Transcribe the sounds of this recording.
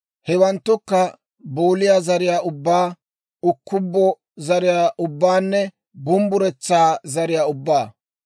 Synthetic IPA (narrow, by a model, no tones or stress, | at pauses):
hɛwɐnt̪ːʊkːɐ | buːlɪjaːzɐɾɪjaːʔʊbːaː | ʊkːʊbːɔ | zɐɾɪjaːʔʊbːaːnːɛ | bʊmbʊɾɛt͡sːaːzɐɾɪjaːʊbːaː